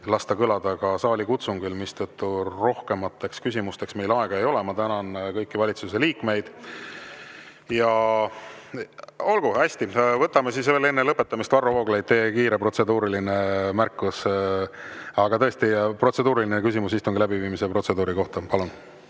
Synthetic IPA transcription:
lɑst̪ɑkɯlɑd̪̥ɑɡ̥ɑsɑːlʲikut̪suŋɡ̥ylmist̪ɤt̪ːuro̞hke̞mɑt̪ːˑe̞kskysʲimust̪e̞ksme̞jlɑeɡ̥ɑe̞jo̞le̞mɑt̪ænɑnkɤjkːivɑlʲit̪suse̞liːkme̞jd̪̥ | jɑ | o̞lɡuæsʲt̪ivɤt̪ːˑɑmesisve̞ːle̞nːelɤpːˑe̞t̪ːˑɑmist̪vɑrːovo̞ːɡ̥lejt̪̚ːe̞ːkiːɾe̞pro̞t̪se̞d̪uːɾiline̞mærkːˑus | ɑɡ̥ɑt̪ɤest̪ipro̞t̪se̞d̪uːɾilinekysimusist̪uŋɡilæbiviːmisepro̞t̪se̞d̪uːɾiko̞ht̪ɑpɑlun

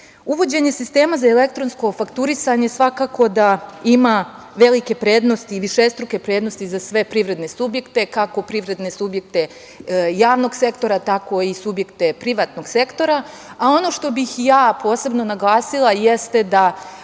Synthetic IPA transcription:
uʋo̞d͡ʑe̞ɲe̞sist̪e̞ːmazaele̞kt̪ɾo̞nsko̞fakt̪uɾisaɲe̞sʋakaːko̞d̪aima | ʋe̞like̞pɾe̞ːd̪no̞st̪iːʋiʃest̪ɾuke̞pɾe̞ːd̪nost̪izasʋe̞pɾiʋɾe̞d̪ne̞subje̞kt̪e̞kako̞pɾiʋɾe̞d̪ne̞subje̞k̚t̪e̞ | jaːʋno̞ɡse̞kt̪o̞ɾat̪ako̞isubje̞kt̪e̞pɾiʋaːt̪no̞ɡ̥se̞kt̪o̞ɾa | ao̞no̞ʃt̪o̞bixjaːpo̞ːse̞bno̞naɡlˠaːsilˠajest̪ed̪a

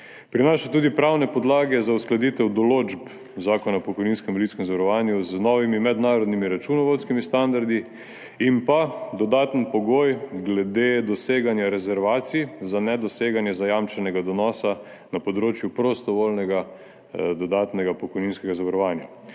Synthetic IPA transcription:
pɾinaʃɛt̪uːd̪ipɾawnɛpɔd̪laːɡɛzausklad̪it̪ɛwd̪ɔloːd͡ʒp | zaːkɔnapɔkɔjninskɛmɔlit̪skɛmzaʋaɾɔʋanjuznɔʋimimɛd̪naːɾɔd̪nimiɾat͡ʃunɔʋot̪skimist̪and̪aɾd̪i | impad̪ɔd̪aːt̪ənpɔɡojɡlɛd̪ed̪ɔseːɡanjaɾɛzɛɾʋaːt̪sijzanɛd̪ɔseːɡanjɛzajamt͡ʃɛnɛɡad̪ɔnɔːsa | napɔd̪ɾoːt͡ʃjupɾost̪ɔʋolnɛɡa | d̪ɔd̪aːt̪nɛɡapɔkɔjninskɛɡazaʋaɾɔʋaːnja

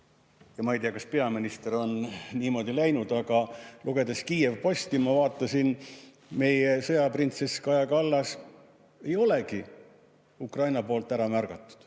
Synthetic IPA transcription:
jɑmɑejt̪iɑkɑ̥spe̞ɑminist̪e̞ɾo̞nniːmo̞d̪ilæjnud̪̥ɑɡ̥ɑluɡ̥e̞d̪̥eskiːe̞vpo̞sʲt̪imɑvɑːt̪ːˑɑsin | me̞jesɤ̞jɑprint̪seskɑjɑkɑlːɑs | e̞jo̞le̞ɡi | ukrɑjnɑpo̞ːlt̪ːˑæɾɑmærɡ̥ɑt̪ˑːu̥d̪̥

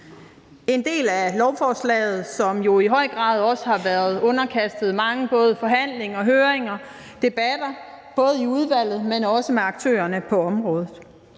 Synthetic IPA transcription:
e̝nd̥e̝̰ːlælɒʊfɒːslɛ̰ːɪð̞̩ˠsɒ̽mjo̝iɦɒ̽ɪ̰ɡ̥ʁɑ̰̈ːð̞ˠɒ̽səhɑ̈ʋæːɐð̞ˠɔ̽nɐkʰæsd̥ð̞̩ˠmɑ̈ŋəb̥ɔ̽ːð̞ˠəfɒ̽ɦæn̰le̝ŋɒɦøːeŋɐ | d̥e̝b̥æd̥ɐ | b̥ɔ̽ːð̞ˠiuð̞ˠʋæl̰ð̩ˠmenɒ̽səmeɑ̈ɡ̥̚t͡sʰø̰ːɐnəpʰɒ̽ɒ̽mʁɔ̽ːð̞ˠð̩ˠ

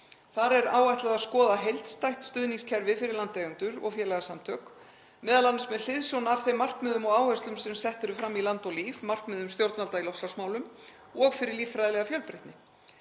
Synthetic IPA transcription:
θaɾɛɾa̰ːwvajt̪laðaðskɔːðaɦejlt̪st̪ajht̪st̪ʏðniŋscʰɛɾvɪfɪɾɪɾlant̪ɛːɣʏnt̪ʏɾɔ̰ɣfjɛːlɛɣasamt̪ʰœːk | mɛːðalansmɛðl̥ɪðsjownaaːv̥θejmar̥kmɛːðʏmɔɣaːwhœst̪lʏmsɛmsɛht̪ʏɾʏfɾamːilant̪ɔliːfmar̥kmɛːðʏmst̪jowɾt̪nalt̪ailɔsasmaːwlʏm | ɔɣfɪɾɪɾliːfɾajðɪlɛɣafjœlpɾɪht̪nɪ

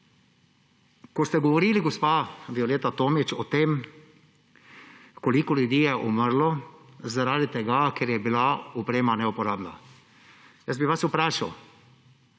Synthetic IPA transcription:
kɔst̪ɛɡɔʋɔɾiːliɡospad̪ioleːt̪at̪oːmit͡ʃɔt̪eːm | kɔlikɔljud̪iːjɛʔuməɾlɔzaɾaːd̪it̪ɛɡakeɾjɛbilaɔpɾeːmanɛupɔɾaːbna | jəs̚biʋasupɾaːʃaw

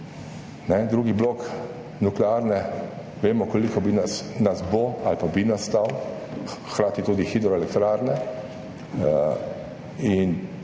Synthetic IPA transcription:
nɛd̪ɾuːɡiblok | nuklɛaɾnɛ | ʋeːmɔkolikɔbinasnasboalpabinast̪aw | xkɾaːt̪it̪uːd̪ixiːd̪ɾɔɛlɛk̚t̪ɾaɾnɛ | in

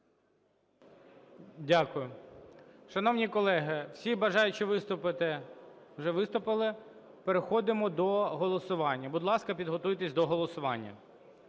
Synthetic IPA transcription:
dʲakʊjʊ | ʃɐnɔwnʲikɔlˠɛɦɪw̥sʲibɐʒɑjʊt͡ʃɪʋɪst̪ʊpɪt̪ɪwʒɛʋɪst̪ʊpɪlˠɪ | peɾexɔd̪ɪmɔd̪ɔɦɔlˠɔsʊʋɑnʲːɐbʊd̪lˠɑskɐpʲid̪ɦɔt̪ujt̪esʲd̪ɔɦɔlˠɔsʊʋɑnʲːɐ̰

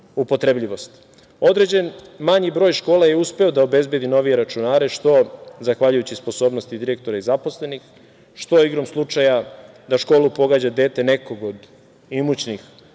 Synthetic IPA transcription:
upo̞t̪ɾebʎiʋo̞st̪ | o̞d̪ɾe̞d͡ʑe̞nmaɲibɾoːjʃko̞ːlajeuspe̞od̪aobe̞zbje̞d̪ino̞ʋieɾat͡ʃunaːɾeʃt̪o̞zaxʋaʎujut͡ɕispo̞so̞ːbnost̪id̪iɾek̚t̪o̞ɾaizapo̞sle̞nix | ʃt̪o̞iɡɾo̞mslˠut͡ʂaja | d̪aʃko̞ːlˠupo̞ɡad͡ʑad̪eːt̪e̞ne̞ko̞ɡod̪ | imut͡ɕnix

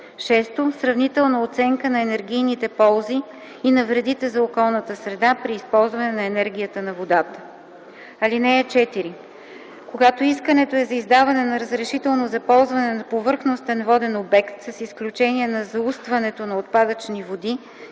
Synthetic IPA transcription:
ʃɛst̪osɾɐvnit̪ɛlˠnəot̪sɛŋkənɐɛnɛɾɡʲijnit̪ɛpɔlˠziː | nɐvɾɛd̪it̪ɛzɐokɔlˠnət̪əsɾɛd̪apɾiːspɔlˠzvɐnɛnɐɛnɛɾɡ̟ʲijət̪ənɐvod̪at̪ə | ɐlinɛjət͡ʃɛt̪iɾi | koɡat̪oiskənɛt̪oɛzɐizd̪avɐnɛnɐɾəzɾɛʃit̪ɛlˠnozɐpɔlˠzvɐnɛnɐpovɤɾxnost̪ɛnvɔd̪ɛnobɛkt̪sɐsisklʲut͡ʃɛniɛnɐzɐust̪vɐnɛt̪onɐot̪pad̪ət͡ʃnivod̪i

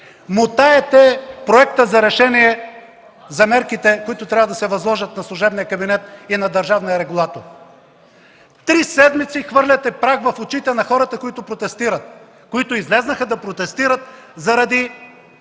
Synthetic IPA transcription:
mot̪aɛt̪ɛpɾoɛk̚t̪əzɐɾɛʃɛnijɛ | zɐmɛɾkit̪ɛkoit̪ʊt̪ɾʲavəd̪ɐsɛvɐzlˠɔʒət̪̚nɐslˠʊʒɛbnijəkɐbinɛt̪inɐd̪ɐɾʒavnijəɾɛɡulˠat̪oɾ | t̪ɾisɛd̪mit̪sixvɤɾlʲɐt̪ɛpɾaɡvɐfʊt͡ʃit̪ɛnɐxɔɾɐt̪əkoit̪ʊpɾot̪ɛst̪iɾɐt̪̚ | koit̪ʊizlɛznɐxɐd̪ɐpɾot̪ɛst̪iɾət̪zɐɾɐd̪i

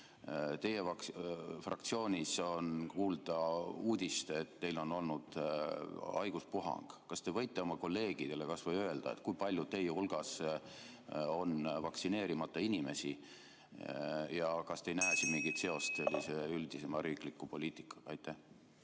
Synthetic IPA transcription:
t̪e̞jevɑkfrʔɑ̰k̚t̪sio̞ːnʲiso̞nkuːld̪̥ɑuːd̪̥ʲist̪e̞t̪t̪e̞jlo̞no̞lnud̪̥ | ɑjɡ̥uspuɦɑ̰ŋɡ̥kɑst̪e̞vɤ̞jt̪ːˑeomɑko̞lːe̞ːɡ̥id̪̥e̞le̞kɑsvɤjøe̞ld̪̥ɑ̰et̪kujpɑlʲjudt̪e̞jehulɡ̥ɑs | o̞nvɑksine̞ːɾimɑt̪ːˑɑinʲime̞̰si | jɑkɑst̪e̞jnæesinmiŋɡit̪se̞o̞st̪se̞lʲːiseyld̪̥ise̞mɑɾiːklikˑːupo̞lʲiːt̪ˑi̥kˑːɑ̥ɑjt̪ːˑæh

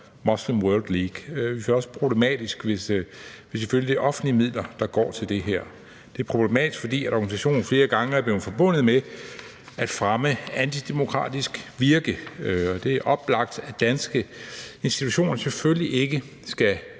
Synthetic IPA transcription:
mɒ̽slemʁœld̥liːɡ̥ʋifæɒ̽sə̥pʰʁo̝b̥le̝mɛ̰ːd̥isɡ̥ʋe̝sʋe̝seføljid̥eʔɒ̽fn̩limið̰ˠlɐd̥ɑ̈ɡ̥ɒ̰ːt͡sʰe̝ld̥e̝ɦæɐ̰ | d̥e̝æɐpʰʁo̝b̥le̝mɛ̰ːd̥isɡ̥fɒ̽d̥ḭːæɾɒɡ̥ænisæɕo̝̰ːn̩fle̝ːɐɡ̥ɑ̈ŋəæɐb̥le̝ːʊðˠfɒ̽b̥ɔ̽n̰ð̞̩ˠme | æd̥fʁaməænt͡sʰid̥e̝mo̝kʰʁɑ̰̈ːd̥isɡ̥ʋiɐɡ̥əɒ̽d̥e̝æɐʔɒ̽b̥lɑ̈ɡ̥̚d̥æd̥ænsɡ̥əe̝nsd̥it͡sʰuɕo̝̰ːnɐsefølliʔe̝ɡ̥ə | sɡ̥æ

